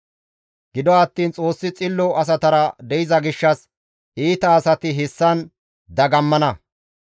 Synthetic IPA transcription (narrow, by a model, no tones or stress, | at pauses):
ɡɪd̪ɔɐt̪ːiːnt͡sʼo̞ːsːɪt͡sʼɪlːɔɐs̬ɐt̪ɐɾɐd̪ɛjɪzɐɡɪʃːɐs | ʔiːt̪ɐːsɐt̪ɪɦɪsːɐn | d̪ɐɡɐmːɐnɐ